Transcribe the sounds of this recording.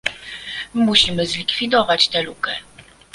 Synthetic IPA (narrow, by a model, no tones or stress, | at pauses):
muɕimɘzlʲikfʲid̪ɔvat͡ɕt̪ɛlukɛ